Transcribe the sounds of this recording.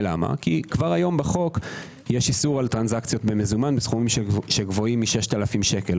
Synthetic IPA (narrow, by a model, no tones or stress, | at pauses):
la̰ma̰kikvaʁajo̞mbeχo̞k | jeʃisuʁalt̪ʁanzakt͡sjo̞tbemezumanbesχumimʃeɡvo̞imːiʃe̞ʃt̪alafimʃe̞ke̞l